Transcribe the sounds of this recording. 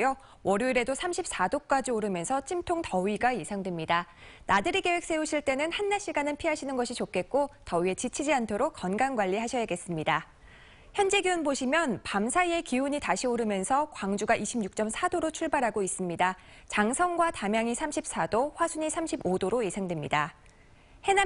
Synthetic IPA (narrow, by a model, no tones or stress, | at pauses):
jo | wʌɾjoiɾe̞dosʰamɕʰip̚s͈adok͈ad͡ʑioɾɯmjʌnsʰʌt͡ɕʰimtʰoŋtʌɥiɡaje̞sʰaŋdwe̞mɲida | nadɯɾiɡe̞we̞k̚s͈e̞uɕʰiɭt͈e̞nɯnhanːaɭɕ͈ʰiɡanɯnpʰiɦaɕʰinɯnɡʌɕʰit͡ɕok͈e̞k̚k͈otʌɥie̞t͡ɕit͡ɕʰid͡ʑiantʰoɾok͈̚ːʌnɡanɡwaʎːiɦaɕʰʌjaɡe̞s͈ɯmɲida | çjʌnd͡ʑe̞ɡiʌnboɕʰimjʌnpamsʰaie̞kiuɲitaɕʰioɾɯmjʌnsʰʌkwaŋd͡ʑuɡaʔiɕʰibɲuk̚t͡ɕ͈ʌmsʰadoɾot͡ɕʰuɭbaɾɦaɡois͈ɯmɲida | t͡ɕaŋsʰʌŋɡwatamjaŋisʰamɕʰip̚s͈adoɸwasʰuɲisʰamɕʰibodoɾoje̞sʰaŋdwe̞mɲida | he̞na